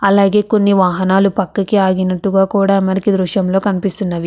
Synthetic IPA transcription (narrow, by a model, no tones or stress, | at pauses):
ɐlaːɡe̞ːko̞nːiʋaːɦɐnaːlupɐkːɐkiaːɡinɐʈːuɡaːkuːɽaːmɐɾɐkid̪ɾuʃɐmlo̞ːkɐnipist̪unːɐʋi